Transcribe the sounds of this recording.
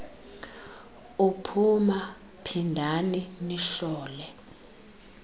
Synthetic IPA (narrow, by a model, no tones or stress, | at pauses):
upʰuma | pʰindʱaniniɬɔːlɛ